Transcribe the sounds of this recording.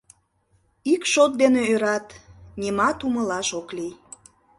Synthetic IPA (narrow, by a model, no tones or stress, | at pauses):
ikʃot̪̚d̪eneøɾɑt̪nʲimɑt̪uməlɑʃoklij